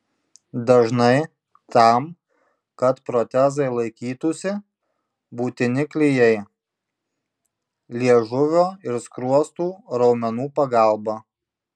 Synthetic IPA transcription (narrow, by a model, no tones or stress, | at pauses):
d̪ɐʒnɐɪ | t̪ɐˑm | kɐt̪pɾɔt̪ʲɛzɐɪlˠɐɪkʲiːt̪ʊsʲɪ | buːt̪ʲɪnʲɪklʲɪjɛɪ | lʲiɛʒʊʋʲoːɪɾskɾuɔst̪uːɾɒʊmʲɛnuːpɐɡɑˑlˠbɐ